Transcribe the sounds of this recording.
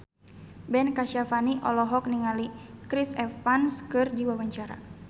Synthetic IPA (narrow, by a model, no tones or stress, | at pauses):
bɛnkaʃafaniʔɔ̰lɔɦɔk̚niŋalikɾisɛfanskɨrdiwawaɲt͡ʃaɾa̰